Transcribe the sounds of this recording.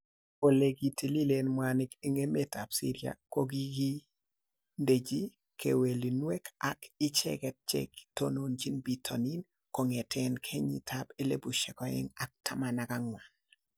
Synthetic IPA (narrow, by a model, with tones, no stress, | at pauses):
o˨le˨ɡi˨ti˨li˦le˨nmwa˨nɪke˨ŋe˦me˦ta˨psḭ˦ɾia̰˨ko˦ɡi˦ɡi˦ | nde˨d͡ʒi˦ | kʰḛ˨we˨li˨nwe˦kakɪ˦t͡ʃɛ̰˦kɛ˦t̚t͡ʃɛ̰ki̥to̰˦no˨nd͡ʒi˦nbi˨tʰɔ̰˨ni˦n | ko˨ŋe˨tʰɛnkʰe˦ɲḭ˨tʰa˦pɪ˦lḛ˦bu˨ʃɛ˨kɔ˨ɪ̰˦ŋa˨k̚tʰa˦ma˨na˨ka˦ŋwa˨n